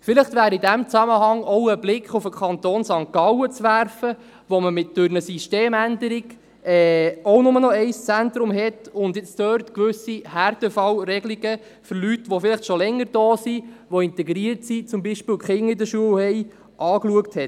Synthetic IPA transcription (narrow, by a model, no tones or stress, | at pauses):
fɪləχt̪ʋæːɾidæmt͡sæməɦɑŋɔʊəblɪkχʊfəkʰχɑnt̪oːnsɑŋkɑwət͡sʋæɾfə | ʋɔməmɪt̚d̥ʉɾnəsiʃteːmænd̪əɾiɡ | ɛːɔʊnʊmənɔɛɪst͡sæntɾʊmɦɛtʊnd̪jɪt͡stœːɾtkʋʏsihæɾtɛfɑwɾɛɡliɡə | fɔɾlytʋɔfɪlɪχtʃɔlɛŋːəɾd̥ɔːsiʋoɪntɛɡɾiəɾtsit͡sʊmbiːʃpɪːwkχɪŋɪdəʃuəwhɛɪ | ʔɑːkluəkthɛt